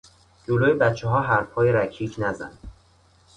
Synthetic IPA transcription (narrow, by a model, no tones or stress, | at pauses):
d͡ʒoloːjebæt̪t͡ʃʰːeɦɒːɦæɾfhɒːjeɾæcʰiːcʰnæzæ̰nd̪̥